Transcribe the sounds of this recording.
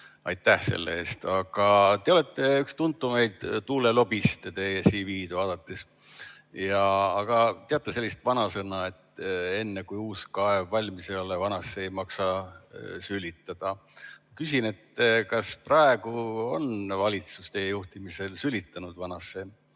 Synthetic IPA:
ɑ̰jt̪ːˑæhse̞̰lːḛe̞ːst̪ɑɡ̥ɑt̪e̞o̞le̞t̪ːˑe̞ykst̪unt̪ːˑume̞jd̪̥t̪uːlelo̞bist̪t̪esiːviːd̪vɑːd̪̥ɑt̪ːˑis | jɑːɡ̥ɑt̪e̞ɑt̪ˑːese̞lːist̪vɑnɑsɤnɑe̞t̪ːe̞nːekujuːskɑevːɑlʲmisejo̞levɑnɑsːeejmɑksɑ | sylʲit̪ˑːɑd̪̥ɑmɑkysine̞t̪kɑsprɑeɡ̥uo̞nvɑlʲit̪sust̪e̞jejuht̪imise̞lsylʲit̪ːˑɑnud̪vɑnɑsːe̞

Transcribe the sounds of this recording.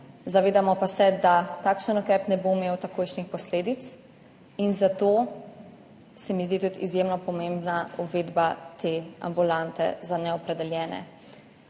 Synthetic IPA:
zaʋeːd̪amɔpasɛd̪at̪akʃənɔkɾɛːpnɛboimeːwt̪akoːjʃnixpɔsleːd̪it̪s | inzat̪o | sɛmizd̪it̪ut̪izjemnɔpɔmembnauʋeːd̪bat̪ea̰mbulant̪ɛ̰zanɛɔpɾɛd̪ɛljɛːnɛ̰

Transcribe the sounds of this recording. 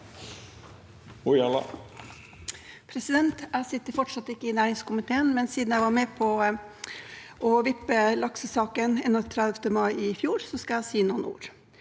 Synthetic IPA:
ʊɑlɑ̰ | pʰɾɛsɪd̪ɛnt̪æɪsɪt̪ːəɾfɔʈʂɑt̪ːɪkːəɪnæːɾɪŋskʊmɪt̪ʰeːənmɛnsiːd̪n̩jæɪʋɑɾmɛpʰɔ | ʔɔʋɪpːəlɑksəsɑːkənɛnːɔt̪ʰɾɑd̪ft̪əmɑɪɪfjuːɾsɔskɑæsiːnuːnṵːɾ

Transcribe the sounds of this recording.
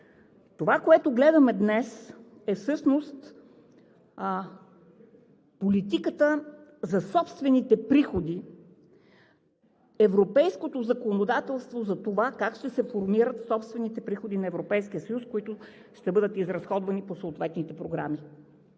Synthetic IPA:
t̪ovakoɛt̪oɡlɛd̪ɐmɛd̪nɛsɛfsɤʃnost̪ | polit̪ikət̪əzɐsɔpst̪vɛnit̪ɛpɾixod̪i | ɛvɾopɛjskot̪ozɐkonod̪at̪ɛlˠst̪vozɐt̪ovakakʃt̪ɛsɛfoɾmiɾət̪sɔpst̪vɛnit̪ɛpɾixod̪inɐɛvɾopɛjsk̟iəsɐjuskoit̪ʊ | ʃt̪ɛbɤd̪ət̪izɾɐsxɔd̪vɐniposoːt̪vɛt̪nit̪ɛpɾoɡɾa̰mi

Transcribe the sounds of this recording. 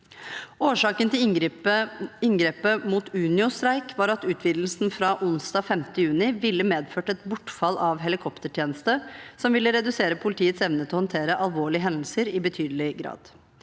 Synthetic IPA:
oːʂɑːkənt̪ʰɪl | ɪŋɡɾeːpəmuːt̪ʉːnɪʊst̪ɾæɪkʰʋɑːɾɑt̪ʉːt̪ʰʋiːd̪l̩sn̩fɾɑʔʊnsd̪ɑːfɛmt̪əjʉːnɪʋɪlːəmeːd̪føːʈɛt̪bʊʈːfɑlːɑʋɦɛlɪkʰɔpt̪əʈʰjeːnəst̪əsɔmʋɪlːəɾɛd̪ʉseːɾəpʰʊlɪt̪iːət̪sɛʋnət̪ʰɪlhɔnt̪ʰeːɾəʔɑlʋoːɭɪəɦɛnd̪əl̩səɾɪbət̪ʰyːd̪əlɪɡɾɑ̰ːd̪̥

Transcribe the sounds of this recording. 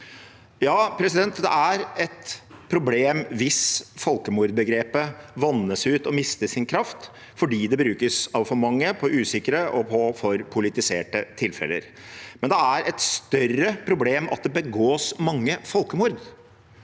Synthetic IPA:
jɑːpʰɾɛsɪd̪ɛnt̪d̪ɛ̰æɾɛt̪pʰɾʊbleːmʋɪsfɔlkəmuːɾd̪bəɡɾeːpəʋɑnːəsʉːt̪ɔmɪst̪əsɪnkʰɾɑft̪ | fɔɖiːd̪ɛbɾʉːkəsɑʋfɔɾmɑŋːəpʰɔʔʉːsɪkəɾəʔɔpʰɔfɔɾpʰʊlɪt̪ɪsḛːʈət̪ʰɪlfɛ̰lə̰ɾ | mɛnd̪ɛæɾɛt̪st̪œrəpʰɾʊbleːmɑ̰t̪̚d̪ɛbəɡoːsmɑŋːəfɔlkəmuːɾd̪

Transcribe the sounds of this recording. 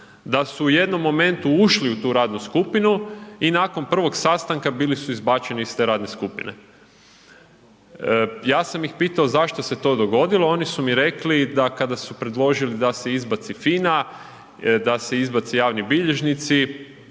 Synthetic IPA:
d̪asuːje̞d̪no̞mːo̞me̞nt̪uuʃliut̪uːɾaːd̪nuskupinuinako̞npr̩ʋo̞ɡsaːst̪aŋkabilisuizbat͡ʃe̞niist̪e̞ːɾaːd̪neskupḭnḛ | jaːsamjixpiːt̪aozaʃt̪o̞se̞t̪o̞ːd̪o̞ɡo̞d̪ilˠo̞o̞nisumiɾe̞klid̪akad̪asupɾe̞d̪lˠo̞ʒilid̪ase̞izbat̪sifina | d̪aseizbat̪sijaːʋnibiʎeʒnit̪si

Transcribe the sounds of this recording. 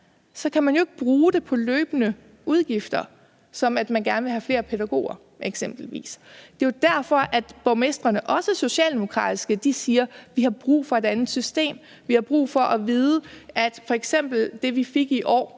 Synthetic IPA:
sɒ̽kʰæmænjoe̝ɡ̥əb̥ʁuːd̥e̝pʰɒ̽løːb̥ənə | uð̞ˠɡ̥ifd̥ɐ | sɒ̽mæd̥mænɡ̥æɐnəʋe̝ɦæfle̝ːɐpʰeɾæɡ̥o̝̰ːɐ | ʔeɡ̥sem̰b̥l̩ʋḭːsd̥e̝od̥æɐfɒ̽ʔæd̥b̥ɒʊmesd̥ʁɐnəʔɒ̽səso̝ɕɛ̰ːld̥e̝mo̝kʰʁɑ̰̈ːd̥isɡ̥əd̥isiːɐʋihɑ̈b̥ʁṵːfɒ̽e̝d̥ænð̩ˠsysd̥e̝̰ːm | ʋihɑ̈b̥ʁṵːfɒ̽ʔɒʋiːð̞ˠəʔæd̥fɒ̽eɡ̥sem̰b̥l̩d̥e̝ʋife̝ɡ̥iʔɒ̰ː

